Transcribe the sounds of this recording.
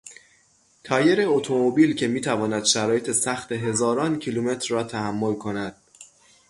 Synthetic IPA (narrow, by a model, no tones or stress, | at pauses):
t̪ʰɒːje̞ɾeot̪ʰo̞mobiːlcʰe̞miːt̪ʰævɒːnæd̪̥ʃæɾɒːje̞t̪ʰe̞sæxt̪e̞ɦe̞zɒːɾɒːncʰiluːme̞t̪ʰɾɒːt̪ʰæhæmːo̞lkʰo̞næd̪̥̚